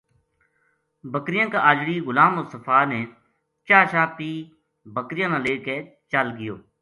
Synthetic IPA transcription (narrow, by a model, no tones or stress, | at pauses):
bəkɾɪjãːkaːʔaːd͡ʒɽiːɣʊlaːmosəfaːneː | t͡ʃaːʃaːpiː | bəkɾɪjãːnãːleːkeː | t͡ʃəlɡɪjoː